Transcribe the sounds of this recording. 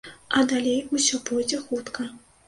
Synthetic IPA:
ɐd̪alʲejusʲɔpɔjd͡zʲɛxut̪kɐ

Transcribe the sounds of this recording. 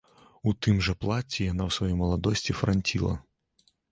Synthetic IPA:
ut̪ɨmʐɐplˠat͡sʲijanawsvajɔjmɐlˠad̪ɔsʲt͡sʲifɾanʲtʲilˠɐ̰

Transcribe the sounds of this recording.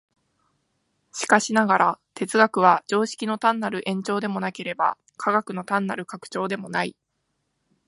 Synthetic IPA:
ɕi̥kaɕinaɡaɾat̪e̞t͡sɨɡakɯ̟β̞ad͡ʑo̞ːɕi̥kʲino̞t̪ãnːaɾɯ̟ʔẽ̞ɲ̟t͡ɕo̞ːd̪e̞mo̞nake̞ɾe̞ba̰ | kʰaɡakɯ̟no̞t̪ãnːaɾɯ̟kakɯ̥t͡ɕo̞ːd̪e̞mo̞nai

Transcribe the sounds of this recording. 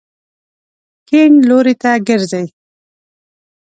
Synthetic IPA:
keɳloɾit̪aɡəɾzaj

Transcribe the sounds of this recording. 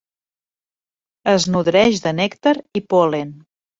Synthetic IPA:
əznuðɾɛʒðənɛkt̪əɾipolen

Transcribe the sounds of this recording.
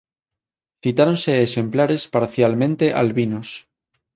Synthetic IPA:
θit̪aɾo̞nseːsẽ̞mplaɾe̞spaɾθjalmẽ̞nt̪e̞ʔa̰lβinos

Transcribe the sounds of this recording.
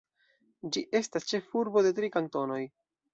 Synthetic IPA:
d͡ʒiʔe̞stast͡ʃe̞fuɾbo̞de̞tɾikanto̞no̞j

